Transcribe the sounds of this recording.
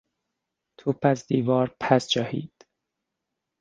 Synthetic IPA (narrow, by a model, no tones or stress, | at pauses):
t̪ʰopʰæsd̪iːvɒːɾpʰæsd͡ʒɒhḭːd̪̥